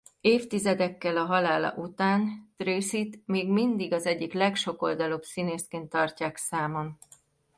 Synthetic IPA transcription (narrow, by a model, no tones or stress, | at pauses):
eːft̪izɛd̪ɛkːɛlɒɦɒlaːlɒ̰ʔut̪aːnt̪reːsit̪meːɡmind̪iɡɒzɛɟːiklɛkʃo̞ko̞ld̪ɒloːbsineːskeːnt̪ːɒrcaːksaːmon